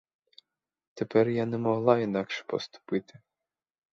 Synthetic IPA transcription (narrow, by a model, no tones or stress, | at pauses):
t̪epɛrjanɛmɔɦlˠɑinɑkʃɛ̥pɔ̰st̪ʊ̥pɪt̪ɪ